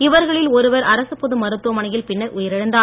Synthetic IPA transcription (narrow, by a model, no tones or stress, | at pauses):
ɪʋɐɾɣɐɭɪlɔɾɯʋɐɾɐɾɐsɯpːɔðɯmɐɾɯt̪ːɯʋɐmɐnɐjɪlpɪnːɐɾʔʊjɐɾɪɻɐnd̪aː